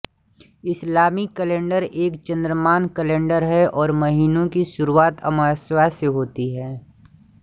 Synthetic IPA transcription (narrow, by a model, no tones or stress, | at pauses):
ɪslaːmikəlẽːɳɖəɾeːkt͡ʃɐ̃nd̪ɾəmaːnkəlẽːɳɖəɾɦɛʔɔːɾmɐɦiːnõkiʃʊɾuaːt̪ʰɐ̰maːswaːseɦoːt̪iɦɛː